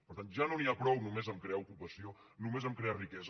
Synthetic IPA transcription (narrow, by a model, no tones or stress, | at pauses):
pəɾt̪anʒanoniapɾɔwnumezəmkɾeaukupəsio | numezəmkɾearikɛz